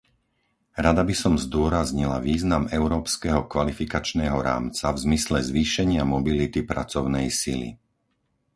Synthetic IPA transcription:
ɾad̪abisɔmzd̪ʊɔɾazɲila̰ʋiːznamɛʊɾɔːpskɛɦɔkʋalifikat͡ʃnɛːɦɔɾa̰ːmt͡savzmislɛzʋiːʃɛɲɪamɔbilit̪ipɾa̰t͡sɔʊnɛjsilḭ

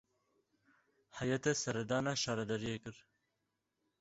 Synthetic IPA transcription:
hajɐt̪esɐɾɛd̪ɑːnɑːʃɑːɾɐd̪ɐɾijekɨɾ

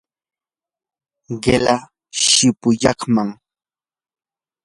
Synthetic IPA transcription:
ɢela | ʃɪpʊjɑχmaŋ

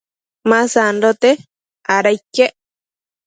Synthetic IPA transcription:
mãsandot̪e | aɾajkeʔ

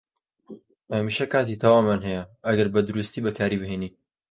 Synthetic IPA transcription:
ɐmiːʃɐkaːt̪it̪ʰɐwaːmːanɦɐjɐʔɐɡɐɾbɐd̪ʊɾust̪iːbɐkʰaːɾiːbɨheːniː

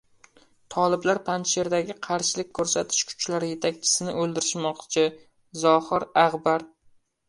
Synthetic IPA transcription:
t̪ʰɒlˠɪblaɾpʰanʃe̞ɾd̪aɡʲɪqʰɑɾʃɪlɪk̚ʲkʰːɵɾsat̪ʰɪ̥ʃkʰʊ̥t͡ʃlaɾɪje̞t̪ʰakʲt͡ʃʰɪ̥sɪnɪɵlˠd̪ɪɾɪʃmɒqt͡ʃʰɪ | zɒhɪɾaʁbaɾ

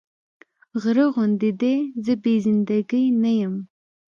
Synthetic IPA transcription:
ɣɾəɣʊnd̪ɪd̪ezəbezɪnd̪aɡəjnajəm

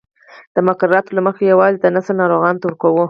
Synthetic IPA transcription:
d̪̥əmaqɑɾːɑt̪olaməxejawɑzit̪anasanɑɾoɣɑnt̪awɾkawu

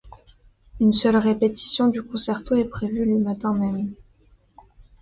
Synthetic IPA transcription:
ynsœlʁepet̪i̥sjɔ̃d̪ykɔ̃sɛʁt̪oɛpχevyləmat̪ɛ̃mɛm

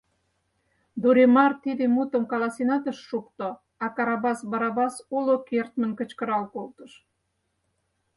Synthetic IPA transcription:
d̪uɾemɑrt̪id̪emut̪ə̆mkɑlɑsinɑt̪əʃːuk̚t̪o | ɑkɑɾɑβɑsbɑɾɑβɑsulokert̪mə̆nkə̆t͡ɕkəɾɑlkolt̪əʃ

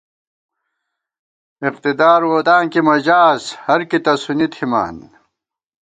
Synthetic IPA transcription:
iqt̪id̪aːɾwoːt̪aːŋkimɐd͡ʑaːshɐɾkit̪ɐsunit̪ʰima̰ːn

